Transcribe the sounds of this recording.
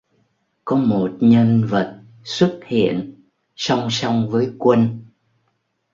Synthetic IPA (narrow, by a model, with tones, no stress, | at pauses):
kɔ˨˦mo˨˩t̚ɲə˧nvə˨˩t̚ | swə˦˥t̚hḭ˧˨ən | sa˧wŋ͡msa˧wŋ͡mvəː˨˦jkwə˧n